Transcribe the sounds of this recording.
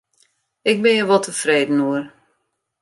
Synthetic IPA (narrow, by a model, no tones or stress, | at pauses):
ɪk̚bɪnjəʋɔlˠtʰəfreːdən̩uər